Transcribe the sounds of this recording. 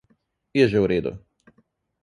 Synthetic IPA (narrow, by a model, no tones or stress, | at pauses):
jɛʒɛwɾeːd̪ṵ